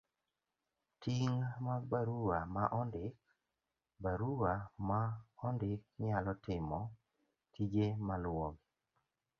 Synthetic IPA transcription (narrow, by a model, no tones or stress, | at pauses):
tiŋmabaɾuwamaʔɔndɪk̚ | baɾuwamaɔndɪk̚ɲalɔtɪmɔ | tid͡ʒemalwɔɡ